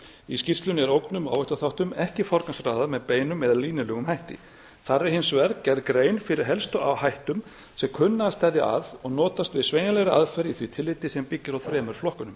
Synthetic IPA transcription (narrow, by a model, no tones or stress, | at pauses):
iscirst̪lʏnɛɾowknʏma̰wɛjht̪aθawht̪ʏmɛhcɪfɔɾkansraːðamɛðpeːjnʏmɛðaliːnɪlœːɣʏmhajht̪ɪ̰ | θarːɪɦɪnsvɛɾkcɛɾðkɾeːjnfɪɾɪɾ̥ɦɛlst̪ɔawhajht̪ʏm | sɛmkʰʏnːast̪aðja̰ʔa̰ðɔɣnɔːt̪ast̪vɪðsveːjnalɛɣɾɪa̰ðfɛɾiθvit̪ʰɪlːɪt̪ːɪsɛmpɪcːɪɾawθɾɛːmʏɾ̥flɔhkʏnʏm